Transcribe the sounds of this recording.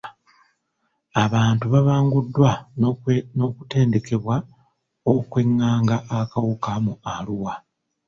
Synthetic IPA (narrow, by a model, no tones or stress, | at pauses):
aβaːntuβaβaːŋɡudːwa | no̞kute̞ːnde̞ke̞βwa | okwe̞ŋːaːŋɡaʔːkawukamualuwa